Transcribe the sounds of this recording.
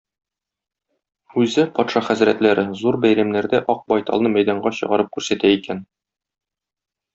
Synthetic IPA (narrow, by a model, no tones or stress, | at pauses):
ʉzɘpɒt̪ʃɑχæzɾæ̰t̪læɾɘzuɾbæjɾæmnæɾd̪æʔɒq̚bɒjt̪ɑ̰lˠnɤmæjd̪ɑɴɢɑɕɤ̆ʁɑɾɤp̚kʉɾsæt̪æikæn